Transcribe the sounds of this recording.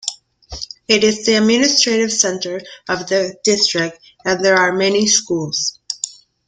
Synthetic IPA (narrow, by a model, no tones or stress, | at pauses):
ɪɾɪzðiɨd̚mɪnɨstɹ̥eɪɾɨv̥sɛ̃ntə˞ʌvðɨdɪstɹ̥ɪk̚t̚ | ɨ̃nðə˞aɹmɛniskulˠz̥